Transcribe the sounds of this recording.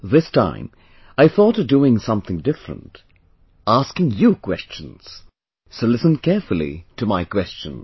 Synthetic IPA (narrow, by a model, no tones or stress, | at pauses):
ðɪstʰã̰ɪ̃m | aɪθɔɾʌvduɪ̃ŋsʌ̃mθɪ̃ŋdɪfɹə̰̃nt | æskɪ̃ŋjɨkʰw̥ɛst͡ʃɨ̃n̩z̥ | soʊlɪsɨ̃n̩kʰɛɹfl̩ˠḭɾʰɨmaɪkʰw̥ɛst͡ʃɨ̰̃n